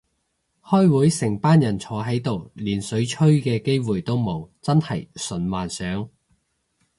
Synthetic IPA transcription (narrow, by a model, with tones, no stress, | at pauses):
hɔː˥jwuː˨˥jsɪ˨˩ŋpaː˥njɐ˨˩nt͡sʰɔː˨˥ɦɐ˨˥jt̪o˨wliː˨˩nsɵ˨˥ɥt͡ʃʰɵ˥ɥkɛː˧ke˥jwuː˨˩jt̪o˥wmo˨˧wt͡sɐ˥nhɐ˨jsɵ˨˥nwaː˨nsœː˨˥ŋ